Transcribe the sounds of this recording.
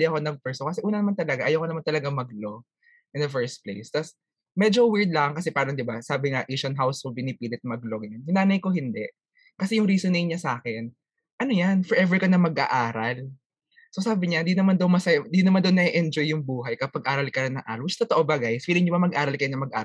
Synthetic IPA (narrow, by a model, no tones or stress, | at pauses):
ɪɐko̞nɐŋ̚pɛɹsokɐsɛʔuːnɐnɐmant̪ɐlɐɡaʔɐjowkonɐmant̪ɐlɐɡamɐɡlo̞ | ʔɪnd̪ɐfɛɹst̪̚plḛjst̪ɐs | mɛd͡ʒowiɹd̪̚laŋkɐsɛpaːɾɐŋd̪ɪbasaːbɪŋaʔiʃɐnɦawsobɪnɪpiːlɪt̪̚mɐɡloɡɐnjʊnaːnɐjko̞hɪnd̪ɛʔ | kɐsɛjʊŋɾiːsonɪŋɲɐsaːkɛn | ʔɐnojanfɛɹʔɛvɛɹkɐnɐmɐɡʔa̰ʔaːɾɐl | sosaːbɪɲaɪnd̪inɐmand̪ɐwmɐsɐjd̪inɐmand̪ɐwnɐʔɛʔɛnd͡ʒojːʊŋbuːɦɐjkɐpɐɡ̚ʔaːɾɐlkɐnɐŋʔa̰ːɐwɪt͡ʃt̪ot̪ɐʔobaɡajsfiːlɪŋɲʊbamɐɡʔaːɾɐlkɐjonɐmɐɡʔa̰ː